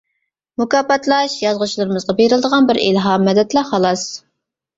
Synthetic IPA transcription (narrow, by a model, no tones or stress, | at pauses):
mukɑːpɑt̪lˠɑʃjɑzʁʊt͡ʃʰlˠɨɾɨmɨzʁɑbeɾɪlˠd̪əʁɑnbɪɾḭlɦɑmːɛd̪ɛt̪lɛχɑlˠɑs